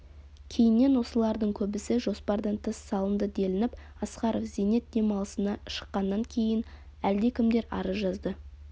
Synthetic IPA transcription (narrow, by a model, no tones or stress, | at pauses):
kʲʰe̞jɪnːe̞nwo̞səlˠɑɾd̪əɴkʲʰɵbɪsɪʒo̞spɑɾd̪əɴt̪ʰəsːɑlˠənd̪əd̪e̞lɪnɪp | ɑsqɑɾofze̞ne̞t̪̚d̪e̞mɑlˠəsənɑʃə̥qːɑnːɑŋkʲʰe̞jɪn | æld̪e̞kʲʰɪmd̪e̞ɾɑ̰ɾəzʒɑzd̪ə